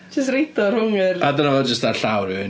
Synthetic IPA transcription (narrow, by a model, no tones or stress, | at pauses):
d͡ʒəs̬trejtɔrhʊŋɪradənavɔd͡ʒəstðaɬawɾɪ